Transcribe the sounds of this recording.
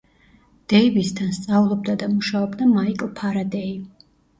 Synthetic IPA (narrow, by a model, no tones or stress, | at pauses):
d̪̥ɛibisd̪ʰanst̪sʼaulˠɔb̚d̪ad̪amuʃaɔbd̪amaikʼlˠpʰaɾad̪ɛi